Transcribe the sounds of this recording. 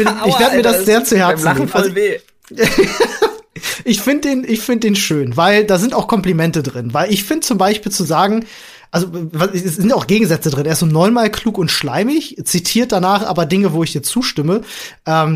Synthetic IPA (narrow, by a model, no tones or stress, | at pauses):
ɪɪçvveɐəmiːɐdasz̥eːɐt͡suhɛɐt͡snnazo | ʔɪçfɪndədeːnʔɪçfɪndəd̥eːnʃøːnvaɪldaːzɪntaʊxkʰɔmplimɛntədʁɪnvaɪlɪçfɪndət͡sʊmbaɪʃpiːlt͡suzaːɡŋ̩ | ʔalzovasɛsz̥ɪntaʊxɡ̥eːɡŋ̩zɛt͡sədʁɪneːɐszoːnɔʏnmaːlkʰl̥uːkʊntʃlaɪmɪçt͡sitʰiːɐt̚d̥anaːχʔa̰ːbɐdɪŋəvoːɪçd̥iːɐt͡suːʃtɪməʔɛːm